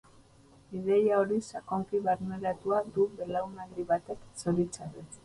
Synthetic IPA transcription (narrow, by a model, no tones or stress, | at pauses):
ið̞e̞jaoɾisakoŋkiβaɾmeɾat̪uad̪uβe̞lawnalɾiβat̪e̞kso̞ɾit͡saɾe